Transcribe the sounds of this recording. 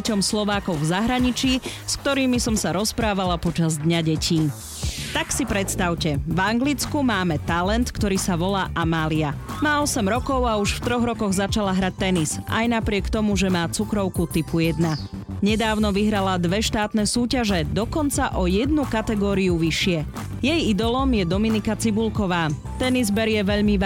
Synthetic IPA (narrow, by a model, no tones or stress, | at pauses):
ɛcɔmslɔʋaːkɔʊvzaɦɾaɲit͡ʃiːskt̪ɔɾiːmisɔmsaɾɔspɾaːʋalapɔt͡ʃazd̪ɲaɟɛciː | t̪aksipɾɛt̪st̪aʊcɛvaŋɡlit͡skumaːmɛt̪alɛnt̪kt̪ɔɾiːsaʋɔlaːʔamaːliamaːɔsɛmɾɔkɔʊauʃft̪ɾɔɣɾɔkɔɣzat͡ʃalaɦɾac̚t̪ɛnisa̰jnapɾɪɛkt̪ɔmuʒɛmaːt͡sukɾɔʊkut̪ipujɛd̪na | ɲɛd̪aːʊnɔʋiɦɾalad̪ʋɛʃt̪aːt̪nɛsuːcaʒɛd̪ɔkɔnt͡saʔɔjɛd̪nukat̪ɛɡɔːɾiuʋiʃɪɛ | jɛjid̪ɔlɔmjɛd̪ɔminikat͡sibulkɔʋaː | t̪ɛnizbɛɾjɛʋɛʎmiʋ